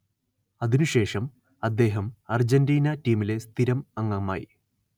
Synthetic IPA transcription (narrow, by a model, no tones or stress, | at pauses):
ɐðinuɕe̞ːʂɐm | ɐd̪ːe̞ːɦɐmɐrd͡ʑɐndiːnɐtiːmile̞st̪ʰiɾɐmɐŋːɐma̰ːji